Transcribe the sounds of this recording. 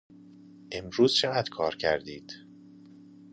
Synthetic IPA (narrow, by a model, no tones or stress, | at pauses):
ʔe̞mɾuːz̥t͡ʃʰeɣæd̪̥kʰɒːɾcʰæɾd̪iːd̪̥